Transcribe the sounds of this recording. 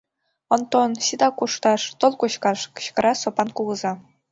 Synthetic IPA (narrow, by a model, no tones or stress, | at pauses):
ŏnt̪onɕid̪ɑkuʂt̪ɑʂt̪ŏlˠkuɕkɑʂɕkɤ̆ɾɑsŏpɑnkuʁɤ̆zɑ